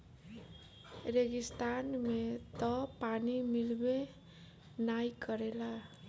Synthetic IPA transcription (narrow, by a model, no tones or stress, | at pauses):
reɡist̪anmet̪ʌpanimilbe | najkʌɾela